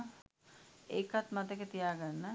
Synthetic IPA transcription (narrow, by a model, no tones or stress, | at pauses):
eːkat̪mat̪əkət̪ijaːɡanːə